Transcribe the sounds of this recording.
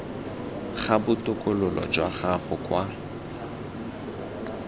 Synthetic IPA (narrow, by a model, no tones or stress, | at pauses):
χabʊtʼʊkʼʊlʊlɔ̰d͡ʒwaχaχʊkʼwa